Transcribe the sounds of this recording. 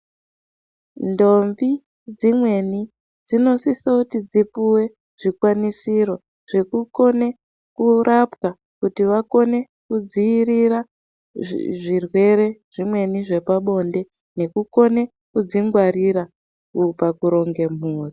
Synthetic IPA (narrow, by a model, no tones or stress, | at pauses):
ndo̞mvi | d͡zimwe̞ni | d͡zino̞sisakutid͡zipuwe̞ | ʐ̥ikwanisiɾo̞ | ʐ̥e̞kuko̞ne̞ | kuɾʔapka | kutiʋako̞ne̞ | kud͡ziːrira | ʐirwe̞ɾe̞ʐ̥imwe̞niʐe̞paɓo̞nde̞ | ne̞kuko̞ne̞ | kud͡ziŋɡwaɾiɾa | kupakuɾo̞ŋɡe̞m̤uːri